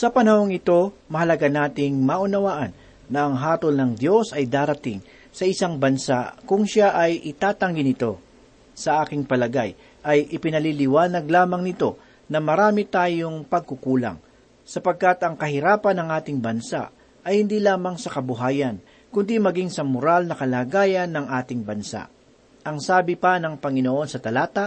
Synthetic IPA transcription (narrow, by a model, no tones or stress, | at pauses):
sɐpɐnɐho̞ŋɪt̪o̞mɐhɐlɐɡanaːt̪ɪŋmaʔʊnɐwaːʔɐnː | ɐʔɐŋɦaːt̪olnɐŋd̪jo̞sɐjd̪aːɾɐt̪ɪŋ | sɐʔɪsaŋbɐnsa̰ʔkʊŋʃaʔɐjʔɪt̪aːt̪ɐŋɡɪnɪt̪o̞ | sɐʔaːkɪŋpɐlɐɡaj | ʔɐjʔɪpɪnɐlilɪwaːnɐɡlaːmɐŋnɪt̪o̞ | nɐmɐɾaːmɪt̪aːjoŋpɐɡ̚kʊkuːlɐ̰ŋ | sɐpɐɡ̚kat̪ɐŋkɐhɪɾaːpɐnːɐŋʔaːt̪ɪŋbɐnsa̰ʔ | ɐjhɪnd̪iːlaːmɐŋsɐkɐbʊɦaːjɐn | kʊnd̪imɐɡiŋsɐmʊɾalnɐkɐlaːɡaːjɐnːɐŋʔaːt̪ɪŋbɐnsa̰ʔ | ʔɐŋsaːbɪpɐnɐŋpɐŋɪnoʔo̞nsɐt̪ɐlaːt̪ɐ